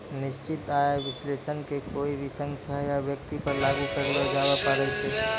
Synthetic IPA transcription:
nist͡ʃit̪aebislesənkekoibʱisəŋkʰjajabjəkt̪ipəɾlaɡukəɾad͡ʒabapaɾɛt͡ʃʰɛ

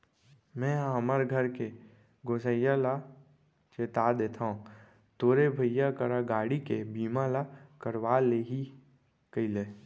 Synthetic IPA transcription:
mɛ̃ːɦəməɾɡʱəɾke | ɡoːsəjala | t͡ʃeːt̪ad̪eːt̪ʰaːɦũ | t̪oːɾebʱəjjakəɾaɡaːɽikebiːmalakəɾʋaːleɦi | kəileː

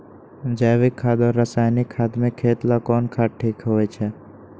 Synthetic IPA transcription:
d͡ʒaʋɪkʰːaːd̪ɔɾːəsaːjnɪkʰːaːd̪mẽkʰːeːt̪lakɔːnkʰaːʈʰiːkɦoːɛt͡ʃʰɛ

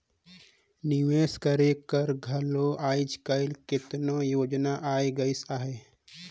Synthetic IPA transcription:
nɪʋeːskəɾekəɾɡʱɐloːʔaːɪd͡ʒkəɪlkɪt̪nojoːd͡ʒnaʔaːiɡəisaːɦeː

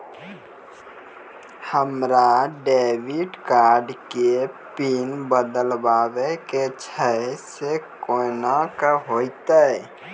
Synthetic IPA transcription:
həmɾaɖeːwiɖkaːɾɖkepinbəd̪əlbaːweket͡ʃʰəesekonakəɦoːit̪aɛ

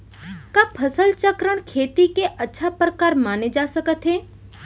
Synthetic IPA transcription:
kaːpʰəsəlt͡ʃəkɾəɽ̃kʰeːt̪ikeʔɐtːʃʰapɾəkaːɾmaːned͡ʒaːsəkət̪ɦeː

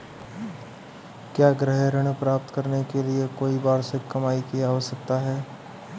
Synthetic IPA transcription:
kjaːɡɾəɦeɾəɽ̃pɾaːp̚t̪kɐɾnekeliekoːibaːɾsɪkkːɐmaːikiaɦosɐk̚t̪aɦɛː

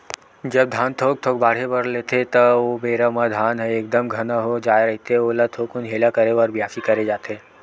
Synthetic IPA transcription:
d͡ʒɐb̚d̪ʱãːnt̪ʰoːk̚t̪ʰoːk̚baːɽ̤ebɐɾleːt̪ʰet̪ɐobeːɾəmad̪ʱaːnɦɛeːk̚d̪əmɡʱɐnaɦod͡ʒaːeɾɐɦt̪eɦɛoːlat̪ʰoːkʊnɦeːlakɐɾeɔːɾbʱijaːfikɐɾed͡ʒaːt̪eɦɛː

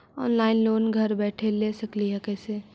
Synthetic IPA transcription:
ɔ̰ːnlaːɪnloːnɡʱɐɾbɛːʈʰelesɐkliɦɛkɛːse

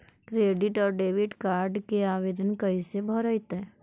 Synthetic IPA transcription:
kɾeːɖɪʈɔːɾɖeːʋɪʈkaːɾɖkeaːʋeːd̪ənkəisebʱəɾəjt̪ɦɛː

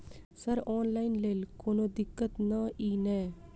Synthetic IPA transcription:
sɐɾɔːnlaːɪnleːlkoːnod̪ɪkːət̪naiːnɛ̃ː

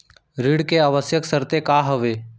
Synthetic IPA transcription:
ɾiːɽkeaʋəsjəksəɾt̪ekaːɦəʋeː

